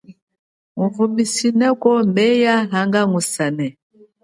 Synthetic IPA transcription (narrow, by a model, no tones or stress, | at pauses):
ŋuvumisinɛkɔmbɛjaɦaŋɡaŋusanɛ